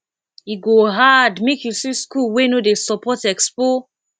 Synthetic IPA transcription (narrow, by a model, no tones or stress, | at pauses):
iɡoɦadmekjusiskulwenodesɔpɔtɛkspo